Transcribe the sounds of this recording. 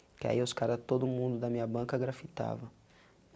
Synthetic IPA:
kɪa̰iʊskaɾɐt̪od̪ʊmũnd̪ʊd̪ɐmĩɲɐbɐ̃kɐɡɾafit̪a̰vɐ

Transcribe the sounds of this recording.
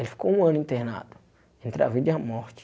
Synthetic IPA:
elɪfi̥kowũɐ̃nʊĩnt̪ehna̰d̪ʊ | ẽnt̪ɾa̰vid͡ʒ̪ɐamɔɾt͡ʃɪ̥

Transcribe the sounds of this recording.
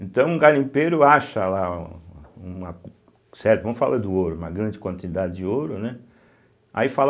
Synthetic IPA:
ẽt̪ɐ̃w̃ũɡalĩpeɾʊaʃɐla | ũmɐ | sɛɾt̪ʊvɐ̃mʊfa̰lʔad̪ʊoɾʊũmɐɡɾɐ̃nd͡ʒɪkwɐ̃nt̪id̪ad͡ʒɪd͡ʒɪoɾʊnɛ | a̰ifal

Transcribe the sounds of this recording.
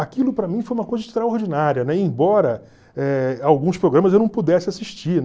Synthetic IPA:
akilʊpɾɐmĩfojũmɐkojzɐɪʃt̪ɾaoɾd͡ʒinaɾiɐnɛẽj̃bɔɾɐ | ɛawɡũspɾoɡɾɐ̃mɐzewnɐ̃w̃pud̪ɛsɪasiʃt͡ʃin

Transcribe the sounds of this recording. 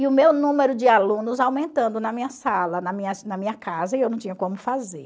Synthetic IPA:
ɪʊmewnũmeɾʊd͡ʒɪalũnʊzawmẽnt̪ɐ̃nd̪ʊnɐmĩɲɐsalɐnɐmĩɲɐsnɐmĩɲɐkazɐɪewñt͡ʃĩɲ̃ɐkõmʊfazḛɾ

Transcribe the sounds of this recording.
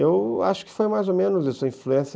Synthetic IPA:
ewa̰ʃʊ̥kɪ̥fojmajzomẽnʊzɐsuɐĩfluẽs

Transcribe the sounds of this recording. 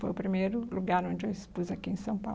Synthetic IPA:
fojʊpɾimejɾʊluɡaɾõnd͡ʒewispuzakiẽsɐ̃w̃pa̰

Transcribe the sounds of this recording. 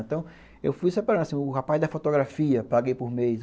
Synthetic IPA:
ẽt̪ɐ̃w̃ | ḛwfujsepaɾɐ̃d̪asĩʊɦapajzd̪ɐfot̪oɡɾafiɐpaɡejpʊɾmejs

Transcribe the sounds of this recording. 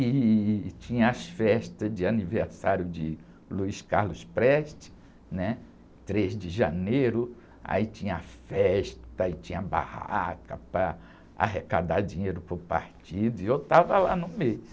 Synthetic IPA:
it͡ʃĩɲɐ̃ɐsfɛʃt̪ɐzd͡ʒɪaniveɾsaɾjʊd͡ʒɪ | luiskaɾlʊspɾɛʃt͡ʃɪ̥ | nɛ | t̪ɾezd͡ʒɪʒanejɾʊ | a̰it͡ʃĩɲɐɐfɛʃt̪ɐit͡ʃĩɲɐba̰ha̰kɐpɾɐ | a̰ɦekad̪ad͡ʒĩɲejɾʊpʊɾpa̰ɾt͡ʃid̪ʊiewt̪avɐla̰nʊmejʊ

